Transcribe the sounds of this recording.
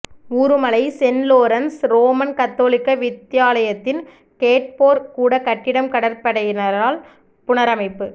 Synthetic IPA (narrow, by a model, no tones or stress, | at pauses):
uːɾɯmɐlɐɪsɛnloːɾɐnsɾoːmɐnkɐt̪ːoːlɪkːɐʋɪt̪ːɪjaːlɐjɐt̪ːɪn | keːʈ̚poːɾkuːɽɐkɐʈːɪɽɐmkɐɽɐɾpɐɽɐjɪnɐɾaːl | pʊɳɐɾɐmɐɪpːɯ